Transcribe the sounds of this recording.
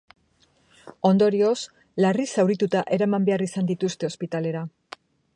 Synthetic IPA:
o̞nd̪o̞ɾio̞s | larisawɾit̪ut̪aʔe̞ɾamambe̞arisand̪it̪ust̪e̞o̞spit̪ale̞ɾa

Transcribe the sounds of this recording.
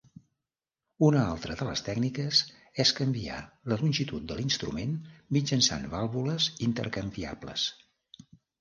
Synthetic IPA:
unəalˠt̪ɾəðələ̰st̪ɛknikəz | ɛskəmbia̰ləlunʲʒit̪ut̪̚d̪əlinst̪ɾṵmenmid͡ʒənsa̰nβalˠβuləzint̪ə̰ɾkəmbia̰blə̰s

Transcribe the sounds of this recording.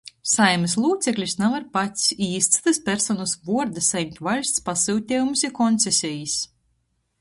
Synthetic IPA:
sajmɨslˠuːt̪seklʲisnavaɾpat̪siːst̪st̪ɨspʲɛɾsɔnusbuɔɾd̪ɨsajmʲt̪ʲvalʲst̪spasɨwt̪ʲɛːjumusikɔnt̪sɛsʲɛjis

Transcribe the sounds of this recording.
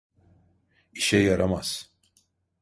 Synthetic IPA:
iʃɛjaɾamaz̥

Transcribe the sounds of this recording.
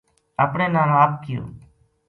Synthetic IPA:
əpɳeːnãːaːp̚kɪjõ̰ː

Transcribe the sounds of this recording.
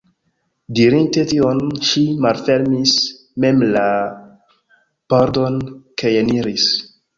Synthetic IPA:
diɾinte̞tionʃimalfe̞lmis | me̞mla | poɾdonkʰajeniɾis

